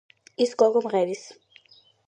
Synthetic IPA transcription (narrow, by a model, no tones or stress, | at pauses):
iskɔɡɔmʁɛvis